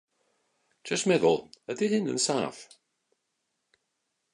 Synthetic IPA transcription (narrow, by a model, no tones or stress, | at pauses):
d͡ʒ̥ʌsmɛðə̰lˠədɪhɪnə̰̃nsa̰ːf